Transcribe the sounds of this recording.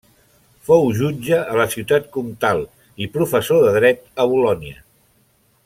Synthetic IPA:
fowʒud͡ʒəːləsiwt̪at̪kumt̪alˠ | ipɾufəsoðəðɾɛt̪əβulɔniə

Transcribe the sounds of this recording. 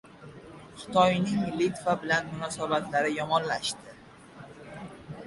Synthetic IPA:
χɪ̥t̪ʰɒjnɪŋlit̪vabɪlanmʊnɒsabat̪laɾɪjɒmɒnlaʃt̪ɪ

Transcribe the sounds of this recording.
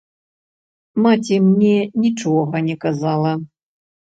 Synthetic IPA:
matʲimnʲɛnʲit͡ʂɔɣɐnʲɛkɐzalˠɐ

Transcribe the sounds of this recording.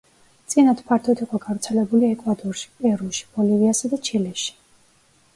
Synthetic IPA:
t̪sʼinat̪pʰaɾt̪ʰɔt̪ʰiqʼɔɡavɾt̪sʰɛlɛbuliɛkʼwad̪ɔɾʃi̥pʼɛɾuʃi̥b̥ɔliviasad̪at͡ʃʰilɛʃi̥

